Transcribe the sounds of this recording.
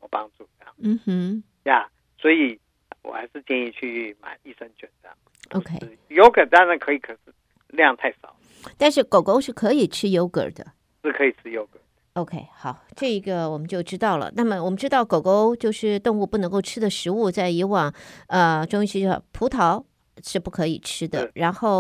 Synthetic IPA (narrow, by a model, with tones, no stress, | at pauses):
wɔ˨˩pɑ˥ŋʈ͡ʂu˥˩˥jɑ̰˥˩ŋm̩˥˩m̩˥ | ja˥˩ | swɔ˧˥i˨˩ | wɔ̰˨˩xa˧˥ɪʂɻ̩˥˧t͡ɕjɛ˥˧ni˥˧t͡ɕʰy˥˩ma̰˨˩˦ɪi˥˩ʂə˥nt͡ɕɥɛ˨˩nta̰˥˩ | o̰˧˥kʰe˥ɪ˥˩jo˥ʊkə˨˩t̪a˥ŋɻa˥nkʰɤ˧˥i˧˥kʰə˨˩ʂɻ̩˥˩ | ljɑ˥˧ŋt̪ʰa˥˩ɪʂɑ˨˩˦ʊ | t̪a˥˧nʂɻ̩˥˩ko˨˩ʊko˥ʊʂɻ̩˥˩kʰɤ˧˥i˨˩ʈ͡ʂʰɻ̩˥jo˥ʊkə̰˨˩d̪ə̰˦ | ʂɻ̩˥˩kʰɤ˧˥i˨˩ʈ͡ʂʰɻ̩˥jo˥ʊkə˨˩ | o˧ʊkʰe˥ɪxɑ˨˩˦ʊʈ͡ʂɤ˥˩i˧˥ɡə˧wɔ˨˩mə˦t͡ɕjo˥˩ʊʈ͡ʂɻ̩˥t̪ɑ˥˩ʊlə̰˩na˥˩mə˩wɔ˨˩mə˦nʈ͡ʂɻ̩˥t̪ɑ˥˩ʊko˨˩ʊko˥ʊt͡ɕjo˥˧ʊʂɻ̩˥˧t̪ʊ˥˧ŋu˥˧pu˥˩nɤ˧˥ŋko˥˩ʊʈ͡ʂʰɻ̩˥d̪ə˨ʂɻ̩˧˥u˥˧t͡sa˥˩ɪi˧˥wɑ˥˩ŋə˧ʈ͡ʂʊ˥ŋi˥ɕḭ˥˧pʰu˧˥t̪ʰɑ˧˥ʊ | ʂɻ̩˥˧pu˥˩kʰɤ˧˥ḭ˨˩ʈ͡ʂʰɻ̩˥d̪ə̰˨˧ɻa˧˥nxo˥˩ʊ